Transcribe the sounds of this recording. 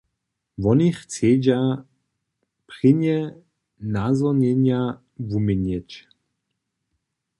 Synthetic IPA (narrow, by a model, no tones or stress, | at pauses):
vɔnixt͡seːd͡ʑa | pʁɪnjɛ | nazɔnɛɲja | vumɪɲɛt͡ʃ